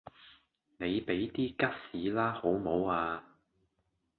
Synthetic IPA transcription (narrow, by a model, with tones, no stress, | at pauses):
ne˨˧jpe˨˥jt̪iː˥kɐ˥t̚siː˨˥laː˥ho˨˥wmo˨˧˥waː˧